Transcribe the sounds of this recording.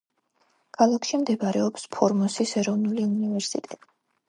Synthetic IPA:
ɡ̥alˠakʃimd̪ɛbaɾɛɔpspʰɔɾmɔsisɛɾɔvnuliunivɛɾsit̪ʼɛt̪ʼi

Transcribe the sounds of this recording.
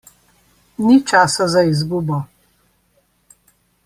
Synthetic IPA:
nit͡ʃaːsazaizɡuːbɔ

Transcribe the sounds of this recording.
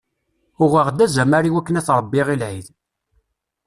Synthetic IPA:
ʊʁəʁd̪æzæmaɾiwækːənæθɾˤəbːiʁilʕið

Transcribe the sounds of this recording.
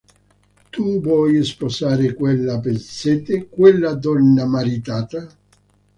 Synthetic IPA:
t̪uvwɔjɪspɔsaːɾɪkwelːapet̪sɛt̪ɪkwɛlːad̪ɔnːamaɾit̪aːt̪a

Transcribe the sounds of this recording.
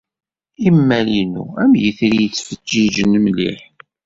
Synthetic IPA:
imːælinṵæmjiθɾijət͡sːfəd͡ʒːiʒənmlḭħ

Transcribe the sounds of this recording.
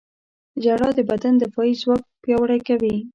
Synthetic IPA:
d͡ʒaɽɑd̪əbad̪and̪əfɑizwɑk̚pjɑwəɽajkawi

